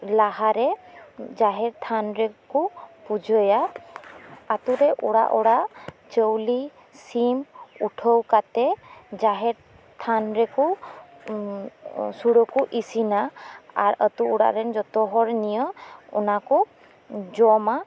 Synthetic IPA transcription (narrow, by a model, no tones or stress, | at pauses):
laɦaɾɛzaɦɛɹt̪ʰanɹɛkupud͡ʒɔjaː | t̪uɾɛʔuɽa̰ʔɔɽat͡ʃəwli | simuʈʰəwkat̪ɛzaɦɛɾ | t̪ʰanɹɛku | suɽɔkuʔisinaaɹət̪uːɽa̰ɾɛnd͡ʒɔt̪ɔɦɔɹnijəṵnaku | d͡ʒɔma